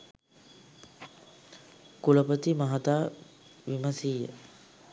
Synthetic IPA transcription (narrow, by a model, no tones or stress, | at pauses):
kuləpət̪imaɦat̪aː | ʋiməsijə̰